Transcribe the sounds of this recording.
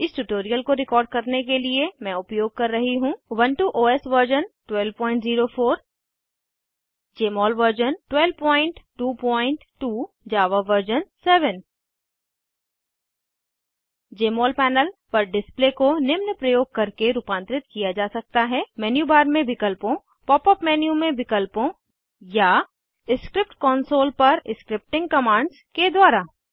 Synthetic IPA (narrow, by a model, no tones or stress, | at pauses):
ɪsʈuʈoːɾijəlkoɾɪkɔːɾɖ̚kɐɾnek̬eliemɛ̃ʊpjoːɡ̚kɐɾːɐɦiɦũʋɐ̃nʈuʔoːesʋəɾd͡ʒənʈwɛlpɔ̃ːɪ̃ɳʈziːɾofʰoːɾ | d͡ʒeːmɔːlʋəɾd͡ʒənʈwɛlʋpɔ̃ːɪ̃ɳʈʈuːpɔ̃ːɪ̃ɳʈʈːuː | d͡ʒaːʋaʋəɾd͡ʒənsɛːʋən | d͡ʒeːmɔːlpɛːnəlpɐɾɖɪsplekonɪmnəpɾɐjoːɡ̚kɐɾkeɾuːpãːnt̪ɾɪt̪kijad͡ʒaːsɐk̚t̪aɦɛmɛːnjuːbaːɾmẽʋɪkəlpõ | pɔːpəpmɛːnjumẽʋɪkəlpõ | ja | ɪskɾɪp̚ʈkɔːnsoːlpɐɾɪskɾɪp̚ʈɪ̃ŋɡ̚kɐmãːɳɖzked̪waːɾa